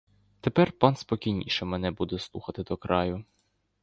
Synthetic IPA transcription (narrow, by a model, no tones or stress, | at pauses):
t̪epɛrpɑnspɔkʲijnʲḭʃɛmɛnɛbud̪ɛslˠuxɐt̪ɪd̪ɔkɾɑjʊ